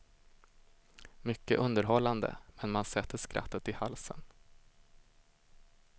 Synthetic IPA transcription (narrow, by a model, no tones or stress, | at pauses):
mʏkːə̰ʔɵnd̪əɾɦɔlːand̪ə̰mɛnmansɛt̪ʰːəʂkɾʔa̰t̪ːət̪ɪhalsə̰n